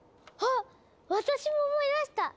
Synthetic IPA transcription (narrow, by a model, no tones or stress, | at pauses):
ha | βat̪aɕimo̞ːmo̞id̪aɕi̥t̪a